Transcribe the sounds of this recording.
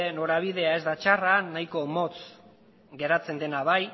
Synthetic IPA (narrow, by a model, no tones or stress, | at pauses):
eno̞ɾaβ̞iðe̞ae̞zd̪at͡ʃaranːajko̞mo̞t͡s | ɡe̞ɾat͡se̞nd̪e̞naβaj